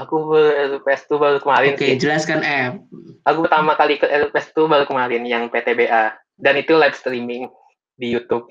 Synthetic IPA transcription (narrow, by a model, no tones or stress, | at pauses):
akubəɾupɛst̪ubaɾukəmaɾɪnsd͡ʒəlaskanɛp̚ʔakupərt̪amakalikəʔɛɾpɛst̪ubaɾukəmaɾɪnjaŋpet̪ebeʔa | danit̪ulajfst̪ɾimɪŋ | dijut̪up̚